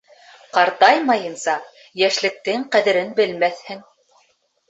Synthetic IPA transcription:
qɑɾt̪ɑjmɑjɤ̆nsɑ | jæʃlɘ̆k̚t̪ɘŋqæðɘ̆ɾɘnbɘ̆lmæθhɘŋ

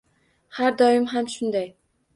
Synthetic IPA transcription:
haɾd̪ɒɪmɦamʃʊnd̪aj

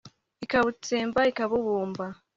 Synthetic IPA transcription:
ikaβut͡seːmbaikaβuβuːmba

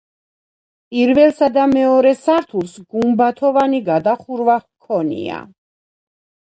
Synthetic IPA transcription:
pʼiɾvɛlsad̪amɛɔɾɛsaɾt̪ʰulˠsɡumbat̪ʰɔvaniɡad̪aχuɾvakʰɔnḭa̰

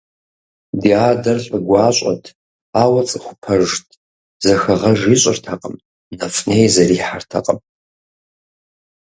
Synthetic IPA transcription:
diaːdɐrɬʼɨɡʷɑːɕʼɐ̰tʰ | aːwɐt͡sʼɨχʷʊpʰɐʐtʰ | zɐxɐʁɐʒiːɕʼɪrtʰɐqʼəm | nɐfnejzɐriːħartʰɐqʼəm

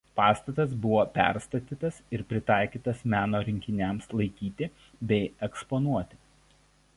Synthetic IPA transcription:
pɑːst̪ɐt̪ɐs̬bʊʋoːpʲæ̰ˑɾst̪ɐt̪ʲiːt̪ɐsɪɾpʲɾʲɪt̪ɑˑɪkʲiːt̪ɐsmʲæːnoːɾʲɪŋʲkʲɪnʲɛmslˠɐɪkʲiːt̪ʲɪ | bʲɛɪɛksponuɔt̪ʲɪ̥

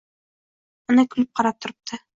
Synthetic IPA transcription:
ɤnɑkʉlɘp̚qɑɾɑp̚t̪ŏɾɤ̥p̚t̪ʰɤ

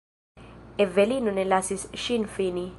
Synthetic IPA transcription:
ɛvelinunɛlasisʃinfini

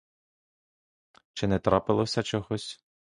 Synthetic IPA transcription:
t͡ʃɪnɛt̪ɾɑpɪlˠɔsʲɐt͡ʃɔɦɔsʲ

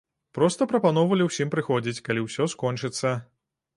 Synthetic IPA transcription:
pɾɔst̪ɐpɾɐpanɔwvɐlʲiwsʲimpɾɨxɔd͡zʲit͡sʲkalʲiwsʲɔskɔnt͡ʂɨt̪sːɐ

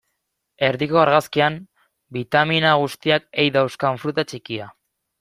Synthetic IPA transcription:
e̞ɾðikoaɾɣaskiam | bit̪aminaɣ̞ust̪iak̚ejðawskaɱfɾut̪at͡ʃikia

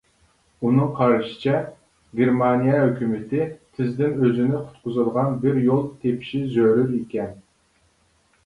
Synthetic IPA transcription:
unɨŋqʰɑɾʃɪ̥t͡ʃʰɛ | ɡʲeɾmɑnijɛhøkʲymɪt̪ʰɪt̪ʰɪzd̪ɪnøzɪnɪqʰʊ̥t̪̚qʰʊzɨd̪əʁɑnbɪɾjolˠt̪ʰepʰʃizøɾyɾikʲɛn

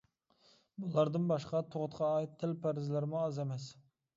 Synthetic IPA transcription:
bulˠɑɾd̪ɨnbɑʃqɑt̪ʰoʁʊt̪qʰɑːit̪ʰːɪlpʰæɾɪzlɪɾɪmʊɑzɛmɛs

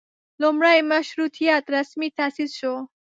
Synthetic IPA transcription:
lomɾajmɐʃɾut̪ʰijat̪ɾɐsmit̪ʰasizʃo

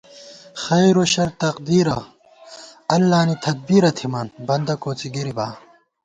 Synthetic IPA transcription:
xɐjɾoɕɐɾt̪ɐqd̪iːɾɐ | ɐlːaːnit̪ʰɐd̪̚biɾɐt̪ʰimɐnbɐnd̪ɐkoːt͡siɡiɾibaː

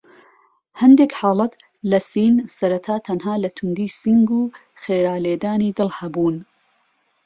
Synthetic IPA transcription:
hɐnd̪ekħaːlˠɐt̪ | lɐsiːnsɐɾɐt̪ʰaːt̪ʰɐnɦaːlɐt̪ʰʊnd̪iːsiŋɡuː | xeːɾaːleːd̪aːniːd̪ɨlˠhɐbuːn

